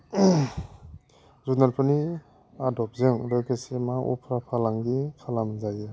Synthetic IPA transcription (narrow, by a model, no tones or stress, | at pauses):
zunaɾpʰɯni | adɔp̚zɯŋɾɯkesemaʔṵpʰɾapʰalaŋɡikʰalamzazɯ